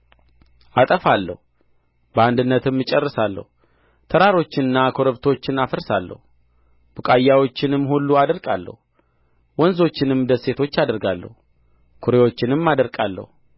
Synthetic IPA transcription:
ʔat̪ʼəfalːə̰hu | bəand̪ɨnːət̪ʰɨmːɨt͡ʃʼərːɨsalːə̰hu | t̪ʰəɾaɾo̞t͡ʃːɪnɨnːakʰoɾəβt̪ʰo̞t͡ʃːɪnafəɾsalːə̰hu | b̥ɨkʼajːawo̞t͡ʃːɪnɨmːhulːuad̪əɾkʼalːə̰hu | wɔnzo̞t͡ʃːɪnɨmd̪əse̞t̪ʰo̞t͡ʃːad̪əɾɡalːə̰hu | kʰuɾe̞wot͡ʃːɪnɨmːad̪əɾkʼalːə̰hu

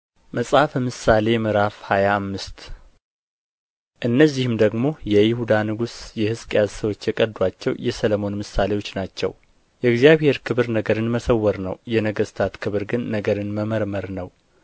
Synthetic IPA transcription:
məsʼhafəmɨsːale̞mɨɾafhajaːmːɨst̪ | ʔɨnːəzːihɨmd̪əɡmo̞jɛjɪhud̪anɨɡusjɛhɨskʼjazsəwo̞t͡ʃːjɛkʼəd̪wat͡ʃːɛwjɛsəlmo̞nmɨsːale̞wo̞t͡ʃːnat͡ʃːɛ̰w | jɛɪɡzijaβhe̞ɾkʰɨβɨɾnəɡəɾɨnməsəwːəɾnəwjɛnəɡəst̪ʰat̪kʰɨβɾɡɨnːəɡəɾɨnməməɾməɾnəw

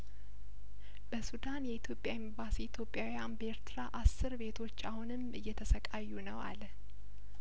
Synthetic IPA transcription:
bəsud̪anjɛit̪ʰjo̞pʼjaɪmbasiit̪ʰjo̞pʼːjawijanbəeɾt̪ʰɨɾaʔasːɨɾbe̞t̪ʰo̞t͡ʃːahunɨmʔɨjːɛt̪ʰəsəkʼajːunəwa̰lə

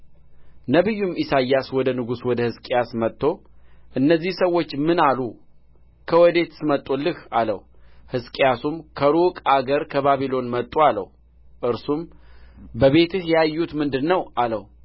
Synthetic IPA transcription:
nəβɨjːumisajːaswɔd̪ənɨɡuswɔd̪əhɨskʼjasmət̪ʼːo̞ʔɨnːəzːihsəwo̞t͡ʃːmɨnalu | kʰəwɔd̪e̞t̪sɨmət̪ʼːulːɨhalə̰h | hɨskʼijasumkʰəɾukʼaɡəɾkʰəβaβilo̞nmət̪ʼːualə̰h | ʔɨɾsum | bəβe̞t̪ɨhjajːut̪mɨnd̪ɨnːəwʔaləh

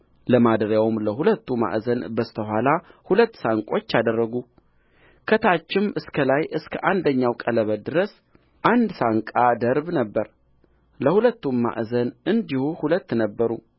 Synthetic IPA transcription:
ləmad̪əɾjawɨmləhulət̪ːuma̰ʔzənbəst̪ʰəhʷalahulət̪ːsaŋkʼo̞t͡ʃːad̪ərːəɡu | kʰət̪ʰat͡ʃːɪmʔɨskʰəlajʔɨskʰəʔand̪əɲːawkʼələβəd̪ɨɾəs | ʔand̪saŋkʼad̪əɾbnəbːəɾ | ləhulət̪ːumːa̰ʔzənɨnd̪ihuhulət̪ːnəbːəɾu

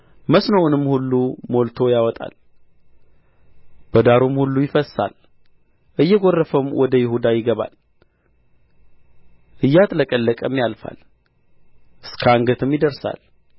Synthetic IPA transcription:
məsnowʊnɨmːhulːumo̞lt̪ʰo̞jawɔt̪ʼa̰l | b̥əd̪aɾumhulːujɪfəsa̰l | ʔɨjːɛɡo̞rːəfəmwʔɔd̪əjɪhud̪ajɪɡəβa̰l | ʔɨjːat̪ʼləkʼəlːəkʼəmjalfa̰l | ʔɨskʰəaŋɡət̪ʰɨmjɪd̪əɾsa̰l

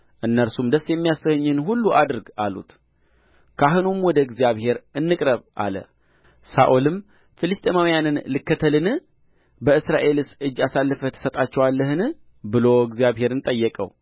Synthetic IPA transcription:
ʔɨnːəɾsumd̪əsjɛmːijasəhɨɲːɨnɦulːuʔad̪ɨɾɡalṵt̪ | kʰaɦɨnumwɔd̪əɡzjaβhe̞ɾɨnːɨkʼɾəβʔa̰lə̰ | sa̰ʔolɨm | fɨlɨst̪ʼemawjanɨnlɨkːət̪ʰəlɨnɨ | bəɨsɾaʔe̞lɨsʔɨd͡ʒːasalːɨfət̪ʰːə̥sət̪ʼat͡ʃːɛwalːəɦɨnɨ | bɨlo̞ɡzjaβhe̞ɾɨnt̪ʼəjːəkʼə̰w

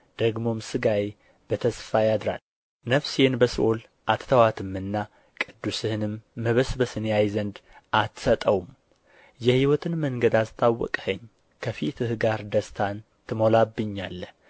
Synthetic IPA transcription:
d̪̥əɡmo̞msɨɡaj | b̥ət̪ʰəsfajad̪ɾa̰l | nəfsenbəsʔol | ʔat̪ʰt̪ʰəwat̪ʰɨmːɨnːa | kʼɨd̪ːusɨhɨnɨmːəβəsbəsɨnjajzənd̪ʔat̪sət̪ʼəwm | jɛhiwɔt̪ʰɨnməŋɡəd̪ast̪ʼawːɔ̰kʼhəɲː | kʰəfit̪ʰɨhɡaɾd̪əst̪ʰan | t̪ʰɨmo̞labːɨɲːalːəh

